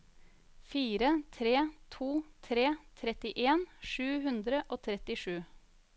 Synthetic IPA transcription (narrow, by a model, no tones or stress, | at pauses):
fiːɾət̪ʰɾeːt̪ʰuːt̪ʰɾeːt̪ʰɾɛt̪ɪʔeːnʂʉːhʉnd̪ɾəʔoːt̪ʰɾɛt̪ɪʂʉː